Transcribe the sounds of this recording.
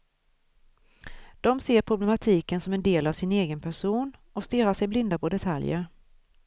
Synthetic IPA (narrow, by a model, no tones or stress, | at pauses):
d̪̥ɔmseːɾpʰɾʊblɛmat̪ʰiːkənsɔmɛnd̪eːlavsɪneːɡənpʰæʂuːnɔst̪ɪɾaʂɛjblɪnd̪apʰɔd̪ɛt̪ʰa̰ljə̰ɾ